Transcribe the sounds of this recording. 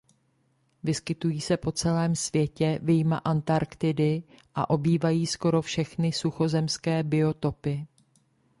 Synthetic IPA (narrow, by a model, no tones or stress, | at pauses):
vɪskɪt̪ujiːsɛpo̞t͡sɛlɛːmsvjɛcɛvɪjmaʔant̪aɾkt̪ɪdɪʔa̰ʔo̞biːvajiːsko̞ɾo̞fʃɛxnɪsuxo̞zɛmskɛːbɪo̞t̪o̞pɪ